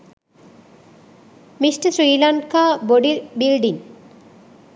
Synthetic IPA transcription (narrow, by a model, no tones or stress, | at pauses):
misʈəsɾiːlankaːboɖilbilɖin